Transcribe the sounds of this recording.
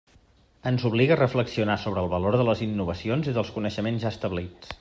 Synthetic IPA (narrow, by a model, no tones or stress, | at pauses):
ənzuβliɣəːrəfləksiunasoβɾəːlˠβəloɾðələzinːuβəsionziðəlˠskunəʃəmenzʒaəst̪əβlit͡s